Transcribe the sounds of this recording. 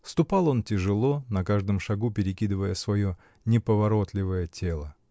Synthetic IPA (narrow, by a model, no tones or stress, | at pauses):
fst̪ʊpalˠo̞ntʲɪʐɨlˠo̞nɐkaʐd̪ɨmʂɐɡupʲɪɾʲɪkʲid̪ɨvəjəsvɐjo̞ | nʲɪpəvɐɾo̞t̪lʲɪvəjətʲʰe̞lˠə